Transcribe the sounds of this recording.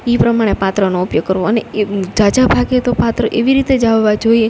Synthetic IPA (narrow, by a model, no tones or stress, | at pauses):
ipɾəmaɽ̃epat̪ɾənoupjoɡ̚kːəɾʋoəned͡ʒad͡ʒabʱaɡet̪opat̪ɾəʔeʋiɾit̪ed͡ʒaʋːad͡ʒoie